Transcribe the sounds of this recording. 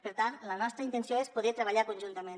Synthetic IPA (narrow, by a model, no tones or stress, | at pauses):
pəɾt̪anlənɔst̪ɾəint̪ensjoespuðɛt̪ɾəβ̞aʎakunʒunt̪əmen